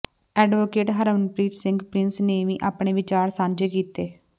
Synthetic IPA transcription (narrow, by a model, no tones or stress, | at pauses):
ɛːɖʋoːkeːʈɦəɾəmənpɾiːʈ̪sɪ̃ŋɡpɾɪnsneːʋĩːʔaːpɳeːʋɪt͡ʃaːɾsãːnd͡ʒeːkiːt̪eː